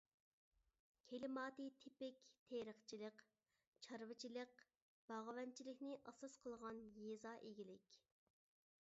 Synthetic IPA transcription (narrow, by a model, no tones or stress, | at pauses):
kʲʰelɪmɑːt̪ɨt̪ʰɪpɪkʲt̪ʰeɾəχt͡ʃʰilˠəq | t͡ʃʰɑɾvɨt͡ʃʰilˠəq̚ | b̥ɑʁəwɛnt͡ʃʰilɪkʲnɪʔɑsɑsqʰəlˠʁɑnjezɑːʔeɡʲilɪkʲ